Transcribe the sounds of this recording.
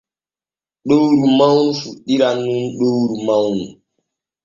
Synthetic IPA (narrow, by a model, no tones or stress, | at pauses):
ɗowɾumawnufuɗiɾanːunɗowɾumawnu